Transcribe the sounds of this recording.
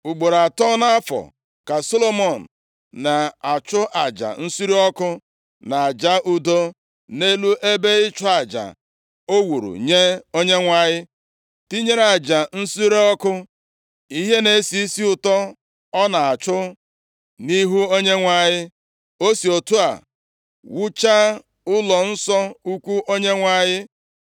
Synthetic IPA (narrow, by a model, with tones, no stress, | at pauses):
u˨ɡ͡bo˨ɾa˨tɔ˦na˦fɔ̰˨ | ka˨so˦lo˦mɔ˨n̩˨ | na˨a˨t͡ʃʊ˦ʔa˨d͡ʒa̰˨n̩˦su˦ɾi˦ɔ˦kʊ˦ | na˨a˨d͡ʒa˦ʔu˦do˦ | ne˦lu˦ʔe˦be˦ɪ˦t͡ʃʊ˦a˨d͡ʒa̰˨ | o˦wu˨ɾṵ˨ɲe˦o˦ɲe˦ŋʷa˨ɲɪ˦ | ti˦ɲe˦ɾa˨d͡ʒa˨n̩˦su˦ɾe˦ɔ˦kʊ˦ | i˦ɦe˦ne˨˦si˨i˦si˦ʊ˨tɔ˦ | ɔ˦na˨a˨t͡ʃʊ˦ | ni˦ɦu˦o˦ɲe˦ŋʷa˨ɲɪ˦ | o˦si˨o˨tu˦a̰˨ | wu˦t͡ʃa˦ | ʊ˦lɔ˨n̩˦sɔ˦u˦kʷu˦ʔo˦ɲe˦ŋʷa˨ɲɪ˦